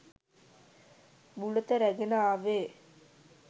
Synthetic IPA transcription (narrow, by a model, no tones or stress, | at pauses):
bulət̪əɾæɡenaaːʋeː